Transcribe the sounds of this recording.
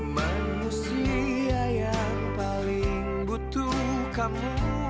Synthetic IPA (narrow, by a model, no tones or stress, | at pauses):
ma | nusiaja | ŋpaliŋ | but̪u | kamu